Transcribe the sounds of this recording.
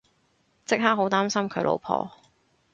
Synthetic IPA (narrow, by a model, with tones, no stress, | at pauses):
t͡sɪ˥k̚ɦaː˥ɦo˨˥wt̪aː˥msɐ˥mkʰɵ˨˧ɥlʔo̰˨˧wpʰɔ̰ː˧